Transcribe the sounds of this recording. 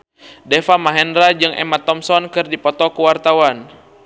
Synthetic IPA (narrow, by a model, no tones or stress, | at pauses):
dɛfamaɦɛndɾad͡ʒɨŋʔɛ̰mat̪ːɔmsɔnkɨrdipɔt̪ɔkuwart̪awan